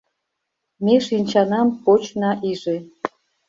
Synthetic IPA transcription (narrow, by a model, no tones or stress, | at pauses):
meʃinʲt͡ɕɑnɑmpot͡ɕnɑʔiʒe